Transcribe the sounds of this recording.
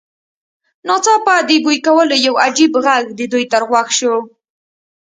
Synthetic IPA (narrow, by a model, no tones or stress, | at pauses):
nɑt͡sɑpad̪əɡujkawəlojawad͡ʒibɣaɡd̪əd̪ujt̪əɾɣwaxʃo